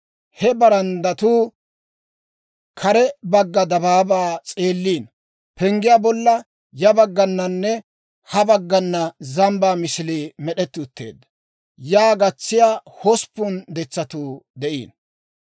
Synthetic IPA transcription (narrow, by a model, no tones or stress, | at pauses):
hɛbɐɾɐnd̪ɐt̪uː | kʰɐɾɛbɐɡːɐd̪ɐbaːbaːt͡sʼeːlːiːn | pɛŋɡɪjaːbɔlːɐ | jɐbɐɡːɐnːɐnːɛ | hɐbɐɡːɐnːɐzɐmbaːmɪsɪliːmɛɗɛt̪ːɪʊt̪ːḛːd̪ːɐ̥ | jaːɡɐt͡sːɪjaːhɔspːʊnd̪ɛt͡sːɐt̪uːd̪ɛʔḭːn